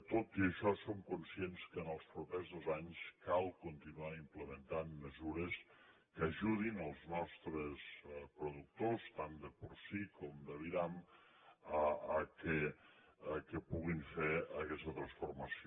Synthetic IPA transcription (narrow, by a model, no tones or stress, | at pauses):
t̪ot̪iəʃɔsomkunsijenskəːnəlˠspɾupezðozaɲskalˠkunt̪inuaimpləmənt̪anːəzuɾəs | kəʒuðinəlˠznɔst̪ɾəspɾuðuk̚t̪ost̪and̪əpuɾsikʰɔmd̪əβiɾam | əəkə | əkəpuɣiɱfeəkɛst̪ət̪ɾə̃nsfurməsi